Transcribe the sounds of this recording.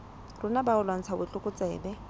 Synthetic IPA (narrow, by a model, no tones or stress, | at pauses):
rʊnabaʊlwaŋ̩t͡sʰabʊt͡ɬʼʊkʼʊt͡sʼɛːbɛ